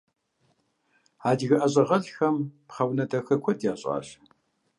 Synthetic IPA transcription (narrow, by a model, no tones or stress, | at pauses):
aːdɣɐʔɐɕʼɐʁɐɮxɐmpχɐwnɐdɐxɐkʷʰɔdjaːɕʼa̰ːɕ